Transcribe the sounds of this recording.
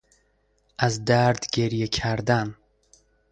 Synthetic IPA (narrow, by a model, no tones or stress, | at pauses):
ʔazd̪æɾd̪ɡeɾjekʲʰæɾd̪an